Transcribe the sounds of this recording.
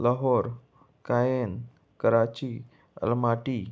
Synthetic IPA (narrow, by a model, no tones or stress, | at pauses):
ləɦɔɾ | kajen | kəɾat͡ɕi | ə̰lmaʈi